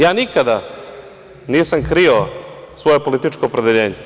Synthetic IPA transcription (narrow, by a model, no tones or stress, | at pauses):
jaːnikad̪a | niːsamkɾio | sʋo̞jepo̞lit̪it͡ʃkoːpɾe̞d̪eʎe̞ːɲe